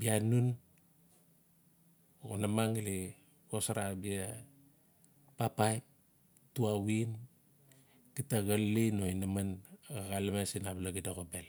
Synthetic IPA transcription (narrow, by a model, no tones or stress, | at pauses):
bianun | onamaŋili | kosaɾabia | papajp̚ | tuawin | kitaɡalːinoinamanaɣalamesinablaɡidoɣobel